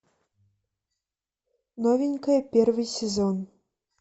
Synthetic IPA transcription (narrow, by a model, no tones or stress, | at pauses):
nɔvʲinʲkɐjɐpʲɛrvɨsʲɛzɔn